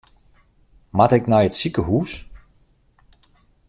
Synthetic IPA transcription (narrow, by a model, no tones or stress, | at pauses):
matɪknɛjətsikəɦuːs